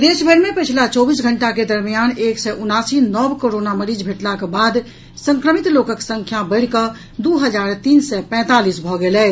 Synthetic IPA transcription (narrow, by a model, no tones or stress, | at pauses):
d̪esbʱəɾmepət͡ʃʰlat͡ʃɔbisɡʱəɳʈaked̪əɾmijaneksɛʔunasinɔbkoɾonaməɾid͡ʒbʱeʈlakebad̪ | sə̃ŋkɾəmit̪lokəksə̃ŋkʰjabəɪɽ̤kə | d̪uɦəd͡ʒaɾt̪iːnsɛpɛ̃t̪alisbʱɔɡelɛ